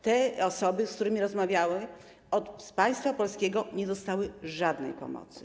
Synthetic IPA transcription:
t̪ɛɔsɔbɘskt̪uɾɘmʲiɾɔzmavʲjawɛm | ɔt̪spaj̃st̪fapɔlskʲɛɡɔɲɛd̪ɔst̪awɘʐad̪nɛ̰jpɔ̰mɔ̰t̪sɘ̥

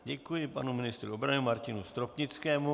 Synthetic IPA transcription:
ɟɛkujɪpanumɪnɪst̪ɾuobɾanɪmaɾcɪnust̪ɾopɲɪt͡skɛːmu

